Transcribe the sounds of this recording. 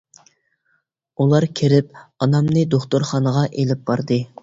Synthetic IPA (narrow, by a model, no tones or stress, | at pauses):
ulˠɑɾkʲʰiɾɪp̚ɑnɑmnɨd̪oχt̪oɾχɑnəʁɑʔelɪp̚bɑɾd̪ɨ